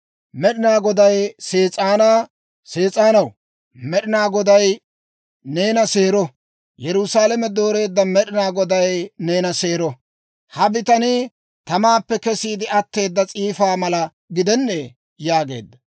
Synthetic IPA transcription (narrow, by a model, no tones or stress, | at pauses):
mɛɗɪnaːɡɔd̪ɐjse̞ːt͡sʼaːna | se̞ːt͡sʼaːnɐw | mɛɗɪnaːɡɔd̪ɐj | ne̞ːnɐseːɾɔ | jɛɾʊsaːlɐmɛd̪o̞ːɾe̞ːd̪ːɐmɛɗɪnaːɡɔd̪ɐjne̞ːnɐse̞ːɾɔ | hɐbɪt̪ɐnɪ | t̪ɐmaːpːɛkɛsiːd̪ɪɐt̪ːe̞ːd̪ːɐt͡sʼiːfaːmɐlɐ | ɡɪd̪ɛnːe | jaːɡe̞̰ːd̪ːɐ